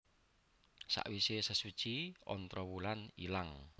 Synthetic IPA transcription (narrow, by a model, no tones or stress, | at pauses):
sa̰ʔwisesəsu̥t͡ʃiɔnt̪ɾɔwulanḭlaŋ